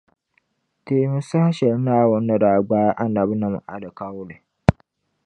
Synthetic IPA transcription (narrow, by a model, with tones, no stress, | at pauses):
teː˨˦mʊ˦sa˦ha˦ʃɛ˨lnaː˦˨wɔ˦nː˦a˦da˨ɡ͡baː˦ja˦ʔa˦na˨bna˨m˨ʔa̰˨da˨ka˦wʊ˦lɪ˨